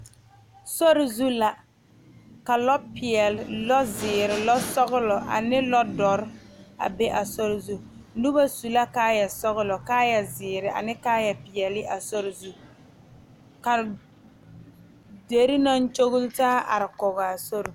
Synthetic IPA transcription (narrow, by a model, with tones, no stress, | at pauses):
sɔ˦ɾɪ˨zu˦la˨ | ka˨lɔ˦pɪ˨ɛ˨lɪ˨lɔ˦zɪː˨ɾɪ˨lɔ˦sɔ˦ɣɪ˦lɔ˨ʔa̰˨nɪ˦lɔ˦dɔ˨ɾa̰˨be˦ʔa˨sɔ˦ɾɪ˨zu˦nu˦ba˦su˨la˦kaː˦jɛ˨sɔ˦ɣʊ˦lɔ˨kaː˦jɛ˨zɪː˨ɾɪ˨ʔa̰˨nɪ˦kaː˦jɛ˨pɪ˨ɛ˨lɪ˦ʔa˨sɔ˦ɾɪ˨zu˦ | ka˨ | de˨ɾi˦na˦nt͡ʃo˦ɣʊ˦ltaː˦ʔa̰˨ɾɪ˨kɔ˨ɣɔ˨a˨so˦ɾɪ˨